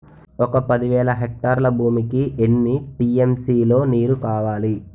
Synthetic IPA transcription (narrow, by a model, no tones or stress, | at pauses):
ɔkɐpɐd̪iʋɛːɭɐɦek̚ʈaːɾlɐbʱuːmikienːiʈiːemsiːlo̞ːniːɾukaːʋaːli